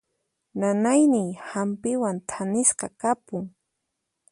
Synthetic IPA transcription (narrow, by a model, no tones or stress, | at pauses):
nanajnɪjhampɪwant̪ʰanɪsqɑkapʊŋ